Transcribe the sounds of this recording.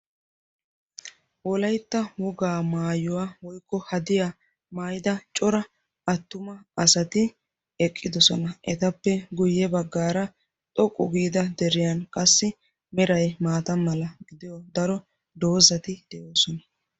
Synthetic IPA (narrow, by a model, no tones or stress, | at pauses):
wɔlɐjt̪ːɐwɔɡaːmaːjʊwaːwɔjkːɔhɐd̪ɪja | maːjɪd̪ɐt͡ʃʼɔɾɐ | ɐt̪ːʊmɐɐsɐt̪ɪ | ɛkʼːɪd̪ɔsɔnɐʔɛ̰t̪ɐpːɛɡʊjːɛbɐɡːaːɾɐ | t̪ʼɔkʼːʊɡiːd̪ɐd̪ɛɾɪjɐnkʼɐsːɪ | mɛɾɐjmaːt̪ɐmɐlɐɡɪd̪ɪjɔd̪ɐɾɔ | d̪o̞ːzɐt̪ɪd̪̥ɛʔo̞ːsɔnɐ